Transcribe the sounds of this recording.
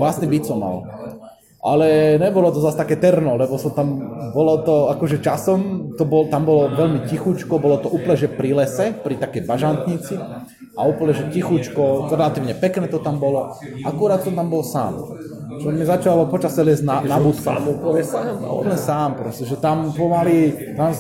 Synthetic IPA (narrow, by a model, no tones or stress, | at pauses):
ʋlasnibit̪sɔma̰l | ʔa̰lɛɲɛbɔlɔt̪ɔzast̪akɛːt̪ɛɾnɔlɛbɔsɔmt̪ambɔlɔt̪ɔakɔʒɛt͡ʃasɔmt̪ɔbɔlt̪ambɔlɔʋɛlmicixut͡ʃkɔbɔlɔt̪ɔʔuːpl̩ɲɛʒɛpɾilɛsɛpɾit̪akɛjbaʒant̪ɲit͡si | ʔauːpl̩ɲɛʒɛcixut͡ʃkɔɾɛlat̪iːʊɲɛpɛknɛːt̪ɔt̪ambɔlɔ | ʔakuɾaːt̪sɔmt̪ambɔlsa̰ːm | t͡ʃɔmizat͡ʃalɔpɔt͡ʃasɛlɪɛzɟnanabut̪kaupsaṵpl̩ɲɛsaːmpɾɔscɛʒɛt̪ampɔmalit̪am